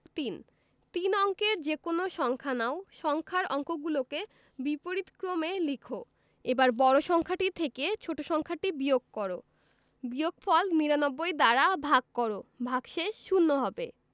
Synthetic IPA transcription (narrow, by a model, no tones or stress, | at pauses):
t̪in | t̪inɔŋkeɾd͡ʑekonoʃɔŋkʰanaoʃɔŋkʰaɾɔŋkoɡuloke | bipoɾit̪kɾomelikʰo | ebaɾbɔɾoʃɔŋkʰaʈit̪ʰeket͡ɕʰoʈoʃɔŋkʰaʈibioɡ̚kɔɾo̰ | bijoɡfɔlniɾanɔbːojd̪aɾabʱaɡ̚kɔɾobʱaɡʃeʃːunːoɦɔbḛ